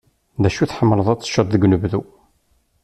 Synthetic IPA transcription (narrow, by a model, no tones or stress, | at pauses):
ðæʃuθħəmːləðˤæt͡sːə̥ʃːɑt̪ˤðəɡnəvðu